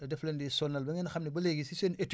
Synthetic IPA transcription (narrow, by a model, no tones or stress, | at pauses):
ɐdɛflɐndisɔnːɐlbɐŋɛnɐxɐmnibɐlɛɡisisɛnɛtː